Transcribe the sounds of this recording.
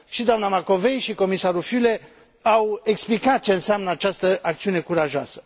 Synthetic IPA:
ʃid̪oamnamako̞ve̞jʃiko̞misaɾufyle̞ | awe̞ksplikat̪̚t͡ʃe̞ɨnseamnəat͡ʃast̪əʔakt̪siune̞kuɾaʒoasə̥

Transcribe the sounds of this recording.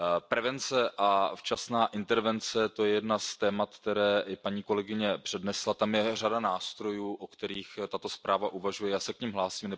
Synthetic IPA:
pɾɛvɛnt͡sɛʔaft͡ʃasnaːʔɪnt̪ɛɾvɛnt͡sɛt̪o̞jɛjɛdnast̪ɛːmat̪kt̪ɛɾɛːʔɪpaɲiːko̞lɛɡɪɲɛpr̝̥ɛdnɛslat̪amjɛradanaːst̪ɾo̞juːʔokt̪ɛɾiːxt̪at̪o̞spɾaːvaʔuvaʒujɛjaːsɛkɲimɦlaːsiːmnɛ

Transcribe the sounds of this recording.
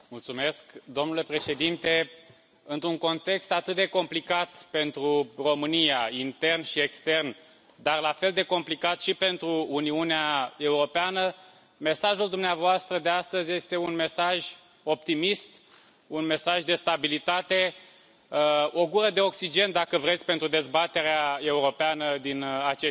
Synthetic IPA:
mult̪sume̞skd̪o̞mnule̞pɾe̞ʃe̞d̪int̪e̞ | ɨnt̪ɾuŋko̞nt̪e̞kst̪at̪ɨt̪̚d̪e̞ko̞mplikat̪pe̞nt̪ɾuro̞mɨnijaint̪e̞rnʃie̞kst̪e̞rn | d̪arlafe̞ld̪e̞ko̞mplikat̪ʃipe̞nt̪ɾuːniuneae̞uɾo̞peanə | me̞saʒuld̪umneavoast̪ɾəd̪e̞ast̪əzʲje̞st̪e̞unme̞saʒʲ | o̞p̚t̪imist̪ | unme̞saʒd̪e̞st̪abilit̪at̪e̞ | o̞ɡuɾəd̪e̞o̞ksid͡ʒe̞nd̪akəvɾet̪sʲpe̞nt̪ɾud̪e̞zbat̪e̞ɾeae̞uɾo̞peanəd̪inat͡ʃe

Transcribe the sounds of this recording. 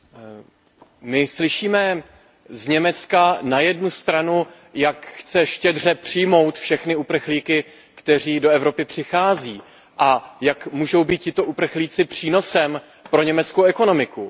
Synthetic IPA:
mɪslɪʃiːmɛ | zɲɛmɛt͡skanajɛdnust̪ɾanu | jakxt͡sɛʃcɛdr̝ɛpr̝̥ɪjmo̞wt̪fʃɛxnɪupr̩xliːkɪ | kt̪ɛr̝iːdo̞ɛvɾo̞pɪpr̝̥ɪxaːziː | ʔajakmuːʒo̞wbiːt̪̚cɪt̪o̞ʔupr̩xliːt͡sɪpr̝̥iːno̞sɛm | pɾo̞ɲɛmɛt͡skowɛko̞no̞mɪku

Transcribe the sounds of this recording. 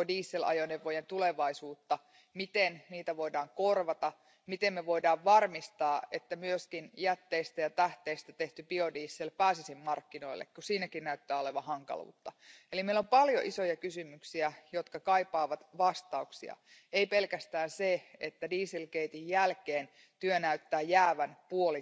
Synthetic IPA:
diːsːelʔɑ̰joneʋojent̪uleʋɑisuːt̪ːɑ | mit̪enniːt̪æʋo̞idɑːŋkorʋɑt̪ɑ | mit̪emmeʋo̞idɑːʋʋɑrmist̪ɑːʔet̪ːæmyøskinjæt̪ːeist̪æjɑt̪æht̪eist̪æt̪eht̪ybiodiːsːelpæːsisimːɑrkːino̞ilːḛkkusiːnækinnæyt̪ːæːoleʋɑhɑŋkɑ̰lṵːt̪ːɑelimeilompɑljo̰ʔiso̞jɑkysymyksiæjot̪kɑkɑipɑːʋɑt̪ʋɑst̪ɑuksiɑ̰ | eipe̞lkæst̪æːnseet̪ːædiːsilkeit̪ijjælkeːn | t̪yønæyt̪ːæːjjæːʋænpuoli

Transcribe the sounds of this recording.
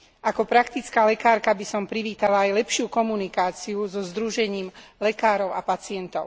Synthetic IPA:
ʔakɔpɾakt̪it͡skaːlɛkaːɾkabisɔmpɾiʋiːt̪alaajlɛpʃɪukɔmunikaːt͡siuzɔzd̪ɾuʒɛɲiːmlɛkaːɾɔʊapat͡sɪɛnt̪ɔʊ

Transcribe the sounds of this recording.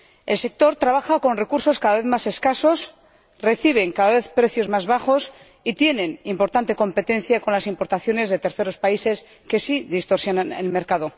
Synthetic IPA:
e̞lse̞k̚t̪o̞ɾt̪ɾaβ̞axako̞nre̞kuɾso̞skaðaβe̞θmase̞skaso̞s | re̞θiβ̞e̞ŋkaðaβe̞θpɾe̞θjo̞zmazβaxo̞s | it̪je̞nẽ̞nimpo̞ɾt̪ant̪e̞ko̞mpe̞t̪ẽ̞n̟θjako̞nlasimpo̞ɾt̪aθjo̞ne̞zðe̞t̪e̞ɾθe̞ɾo̞spaise̞s | ke̞siðist̪o̞ɾsjonanelme̞ɾkað̞o̞

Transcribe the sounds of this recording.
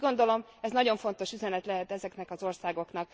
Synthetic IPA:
ɡo̞nd̪o̞lo̞m | ɛznɒɟo̞ɱfo̞nt̪o̞ʃyzɛnɛt̪lɛɦɛt̪ɛzɛknɛkɒzo̞rsaːɡo̞knɒk̚

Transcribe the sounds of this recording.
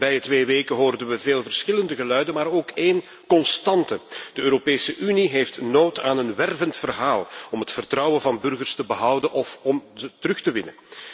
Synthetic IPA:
bɛjətʋeːʋeːkəɦoːrdənʋəveːlˠvərsxɪləndəɣəlœɥdənmaːɾoːkeːn | kɔnstɑntəd̥əøːɾopeːsəʔyniɦeːftnoːtaːnənʋɛrvəntfərɦaːlˠɔmɦətfərtrɑwənvɑnbɵrɣərstəbəɦʌwdənʔɔfɔmzətəɾɵxtəʋɪnə

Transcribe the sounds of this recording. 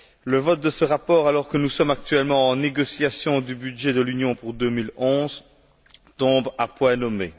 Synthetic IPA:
ləvɔt̪̚d̪əsəʁapɔːʁalɔʁkənusɔmak̚t̪ɥɛlmɑ̃ɑ̃neɡɔsjasjɔ̃d̪ybyd̪ʒed̪əlynjɔ̃puʁd̪ømilɔ̃ːz | t̪ɔ̃bapwɛ̃nɔmḛ

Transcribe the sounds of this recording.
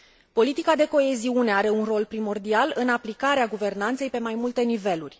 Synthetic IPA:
po̞lit̪ikad̪e̞ko̞e̞ziune̞aɾe̞unro̞lpɾimo̞rd̪ialɨnaplikaɾeaɡuve̞rnant̪se̞jpe̞majmult̪e̞nive̞lurʲ

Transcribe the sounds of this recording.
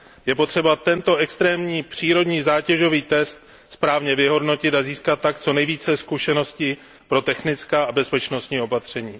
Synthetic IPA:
jɛpo̞t̪r̥ɛbat̪ɛnt̪o̞ʔɛkst̪ɾɛːmɲiːpr̝̥iːɾo̞dɲiːzaːcɛʒo̞viːt̪ɛst̪̚ | spɾaːvɲɛvɪɦo̞dno̞cɪt̪aziːskat̪̚ːakt͡so̞nɛjviːt͡sɛskuʃɛno̞scɪ | pɾo̞t̪ɛxnɪt͡skaːʔabɛspɛt͡ʃno̞st̪ɲiːo̞pat̪r̝̥ɛɲiː

